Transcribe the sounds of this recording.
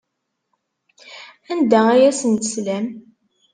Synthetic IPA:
ænd̪ææjæsənt̪əslæm

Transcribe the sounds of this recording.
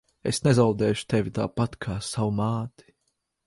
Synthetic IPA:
esnezawd̪ɛːʃu̥t̪evʲit̪a̰ːpat̪kʰaːsawumaːt̪i̥

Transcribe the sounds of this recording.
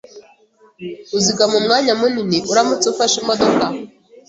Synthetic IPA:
uziɡamumŋaːɲamuniniʔuɾamut͡seufaʃimodoka

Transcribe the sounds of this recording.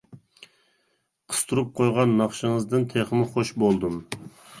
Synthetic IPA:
qʰə̥st̪ʰuɾup̚qʰojʁɑnːɑχʃɨŋəzd̪ɨnt̪ʰeχəmɪχoʃbolˠd̪um

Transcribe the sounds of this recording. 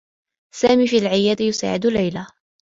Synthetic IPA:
saːmiːfilʕɪjaːd̪ɪjʊsa̰ːʕɪd̪ʊlːajla

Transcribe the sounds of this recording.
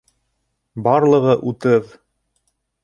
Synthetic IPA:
bɑɾlˠɤ̆ʁɤʔut̪ɤð

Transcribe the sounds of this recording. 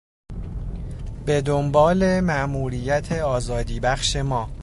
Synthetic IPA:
b̥e̞d̪ombɒːle̞mæʔmuːɾijæt̪ʰe̞ɒːzɒːd̪iːbæxʃe̞mɒː

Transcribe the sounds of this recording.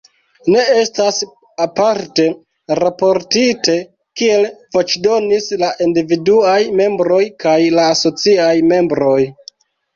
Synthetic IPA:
ne̞e̞stas | apaɾte̞ | ɾapo̞ɾtite̞ | kie̞lvo̞t͡ʃdo̞nislaʔindividuajme̞mbɾo̞jkajlaːso̞t͡siajme̞mbɾo̞j

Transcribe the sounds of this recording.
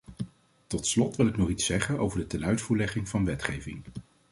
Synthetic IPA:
tɔtslɔtʋɪlˠɪknɔχitsɛχəno̰wvəɹdətɛnœɥtfuːɹlɛχɪŋvɑnʋɛtχejvɪ̰ŋ

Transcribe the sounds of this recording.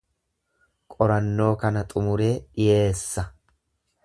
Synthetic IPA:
kʼɔɾɐnːo̞ːkɐnɐt̪ʼʊmʊɾe̞ːᶑɪje̞ːsːɐ

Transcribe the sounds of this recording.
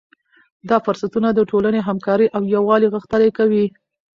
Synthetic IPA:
d̪ɑfʊɾsat̪unad̪əʈolaneɦamkɑɾəʔawjawɑliɣəxt̪əlajkawi

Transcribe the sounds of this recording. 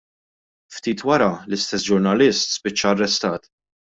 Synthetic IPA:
ft̪iːt̪wɐɾɐlɪst̪ɛsd͡ʒʊɾnɐlɪst̪spɪt͡ʃːɐːrːɛst̪ɐːt̪

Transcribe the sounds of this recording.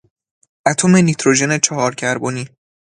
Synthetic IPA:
ʔæt̪ʰome̞nit̪ʰɾod͡ʒe̞ne̞t͡ʃʰɒɦɒːɾcʰæɾboniː

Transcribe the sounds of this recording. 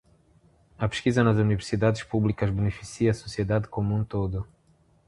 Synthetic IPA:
ɐpe̥ʃkizɐnɐzuniveɾsid̪ad̪ɪʃpublikɐzbenefisiɐːsosied̪ad̪ɪkomũt̪od̪ʊ

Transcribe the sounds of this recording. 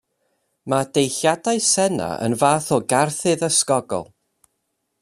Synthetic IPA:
mad̥ejɬjadaɨsɛna̰ə̰nvaːθɔɡarθɨðəskɔɡɔ̰lˠ

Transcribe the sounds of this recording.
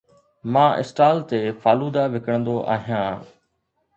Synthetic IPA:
mãːʔɪ̰sʈaːlt̪eːfʰaːluːd̪aːʋɪkəɽə̃nd̪oːʔa̰ːɦijãː

